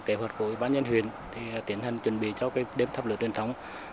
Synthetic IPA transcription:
ke˨˦ɦwə˨˩t̚ku˧˩əwi˧˩ɓaː˧nɲə˧nɦwḭ˧˨ənt̪ʰi˨˩˨t̪i˨˦ənha˨˩jŋ̟t͡ɕwə˧˩nɓḭ˧˨t͡ɕɔ˧kaː˨˦jɗe˨˦mt̪ʰaː˨˧˩plɨ̰˨˧˨tt͡ɕwənt̪ʰə˨˦wŋ͡m

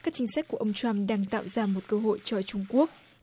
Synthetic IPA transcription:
kaː˦˥k̚t͡ɕï˧ŋ̟sa˦˥k̟̚ku˧˩əʔə˧wŋ͡mt͡ɕa˧mɗaː˧ŋt̪a̰ː˧˨wzaː˧mo˨˩t̚kəː˧ɦo̰˧˨jt͡ɕɔ˧t͡ɕʊ˧ŋ͡mku˦˥ək̚

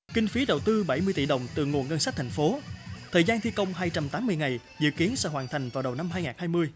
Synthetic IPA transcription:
ki˧ŋ̟fi˨˦ɗə˨˩wt̪ɨ˧ɓa˧˩jmɨ˧əjt̪ḭ˧˩ɗə˨˩wŋ͡mt̪ɨ̰˨˧˩ŋu˨˩ənŋə˧nsa˦˥t̪ʰa˨˩ŋ̟fo˨˦t̪ʰəː˨˩jzaː˧nt̪ʰi˧kə˧wŋ͡mɦaː˧jt͡ɕa˧mt̪aː˨˦mːɨ˧əjŋa˨˩j | zɨ̰˧˨ki˨˦ənsə̰˧˥ɦwaː˨˩nt̪ʰa˨˩jŋ̟vaː˨˩wɗə˨˩wna˧mɦaː˧jŋaː˨˩nhaː˧jmɨ˧əj

